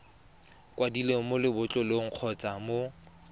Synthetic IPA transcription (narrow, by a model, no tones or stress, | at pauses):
kwadilemʊlɪbʊt͡ɬʼɔlɪŋ̩q͡χʰɔt͡sʼamo